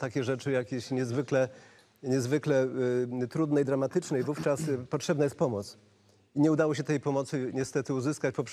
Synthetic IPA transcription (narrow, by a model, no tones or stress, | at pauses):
t̪akʲɛʐɛt͡ʂɘjakʲeɕɲɛzvɘklɛ | ɲɛzvɘklɛt̪ɾud̪nɛjd̪ɾamat̪ɘt͡ʂnɛjvuft͡ʂaspɔtʂɛbnajɛst̪pɔmɔt̪s | iɲɛud̪awɔɕɛt̪ɛjpɔmɔt̪sɘɲɛst̪ɛt̪ɘuzɘskat͡ɕpɔpʂ